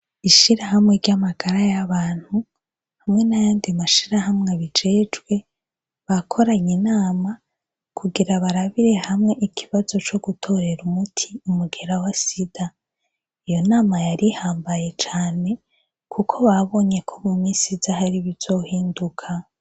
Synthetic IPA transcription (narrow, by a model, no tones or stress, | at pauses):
iʃiɾaɦamŋe̞ɾɟamaɡ̥aɾajaβaːn̥hu | hamŋe̞najaːndimaʃiɾahamŋe̞βid͡ʒe̞d͡ʒɡwe̞ | βakʰo̞ɾaɲenaːma | kʰuɡiɾaβaɾaβiɾe̞hamŋe̞ʔikʰiβazo̞t͡ʃo̞ɡutʰo̞ɾe̞ɾumutʰiumuɡe̞ɾawasid̥a | ijo̞naːmajaɾihaːmbajet͡ʃaːne̞ | kʰukʰo̞βaβo̞ɲe̞kʰomumisizahaɾiβiz̥o̞hiːndukʰa